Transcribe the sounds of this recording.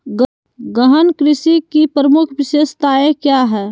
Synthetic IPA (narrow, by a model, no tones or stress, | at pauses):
ɡ | ɡəɦənkɾɪsikipɾəmʊkʰbɪʃeːst̪aːekjaɦɛː